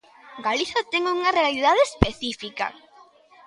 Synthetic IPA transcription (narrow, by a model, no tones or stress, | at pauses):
ɡaliθat̪eŋuŋɐrealið̞aðeespeθifika̰